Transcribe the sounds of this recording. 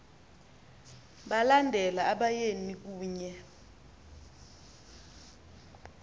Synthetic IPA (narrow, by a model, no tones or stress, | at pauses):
ɓalandʱɛlaːɓajenik̬uːɲɛ